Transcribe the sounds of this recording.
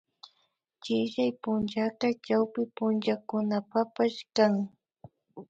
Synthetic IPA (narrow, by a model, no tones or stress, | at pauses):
t͡ʃɪʃajpʊnt͡ʃaqɑt͡ʃawpɪpʊnt͡ʃakʊnapapaʃkaŋ